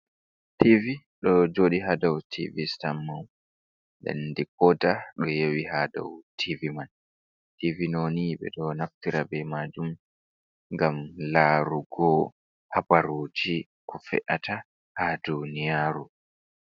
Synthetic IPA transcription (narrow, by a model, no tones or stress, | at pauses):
tʰivi | ɗɔd͡ʒoːɗiɦadawtʰḭvistamːaw | dɛ̰ndik̚ɔdaɗɔjewihada̰wtʰiviman | tivinoniɓɛ̰ɗɔnaftiɾabɛmad͡ʒum | ŋɡamlaːɾuɡɔ | habaɾoːd͡ʒi | kʰɔfɛ̰ʔata | hadunijaːɾu